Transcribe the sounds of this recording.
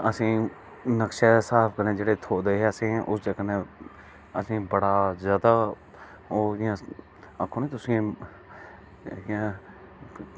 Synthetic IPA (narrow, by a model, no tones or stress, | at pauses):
əsĩː | nəkʃesaːpʰkəɾẽːd͡ʒeːɽeːt̪ʰoːd̪eɦɛəsĩːʔʊsd͡ʒəɡənẽ | əsĩːbəɽaːzjaːd̪aː | oːã | əkʰːonẽːt̪ʊsĩ | ã